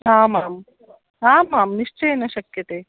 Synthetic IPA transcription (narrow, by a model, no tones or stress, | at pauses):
ɦaːmaːm | aːmaːmniʂt͡ʃɐjeːnɐʃɐkjɐt̪eː